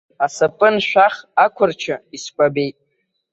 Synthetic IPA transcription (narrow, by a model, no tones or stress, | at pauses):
asapʼɨnʃᶣaχakʷʰʊrt͡ʃʰaiskʷʼabejtʼ